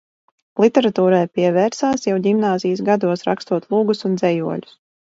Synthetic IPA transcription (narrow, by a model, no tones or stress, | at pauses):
lˠit̪ʲɛɾat̪uːɾajpiɛvɛːɾsaːsjawɟimnaːzijsɡad̪uɔsɾa̰kst̪uɔt̪lˠuːɡusund̪zɛjuɔlʲu̥s